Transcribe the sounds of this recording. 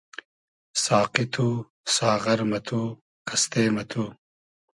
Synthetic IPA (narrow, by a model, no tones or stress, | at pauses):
saːqit̪ʰu | saːʁɐɾmɐt̪ʰu | kʰɐst̪eːmɐt̪ʰu